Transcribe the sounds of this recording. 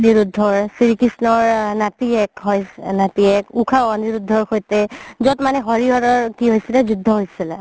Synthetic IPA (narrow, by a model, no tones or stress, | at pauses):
niɹudʱːɔɹsiɹikisnɔɹnatiɛkɦɔjnatiɛkukʰaɔniɹudʱːɔɹxojtɛzɔtmanɛɦɔɹiɦɔɾɔɹkiɦojsilɛzudʱːɔɦojsilɛ̰